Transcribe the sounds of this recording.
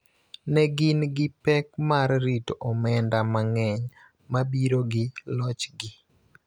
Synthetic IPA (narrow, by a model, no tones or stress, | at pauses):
nɛɡɪnɡɪpɛkmarːitɔmɛndamaŋɛɲ | mabiɾoɡɪlɔt͡ʃɡɪ